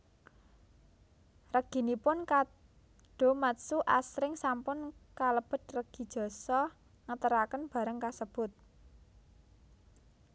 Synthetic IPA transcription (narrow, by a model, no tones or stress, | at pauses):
rəɡ̥i̤nipʊnka | ɖ̥o̤mat̪suʔasɾɪŋsampʊnkaləb̥ə̤t̪̚rəɡ̥i̤d̥ʒ̥ɔ̤sɔ | ŋət̪əɾakənb̥ä̤ɾəŋkasəb̥ʊt̪̚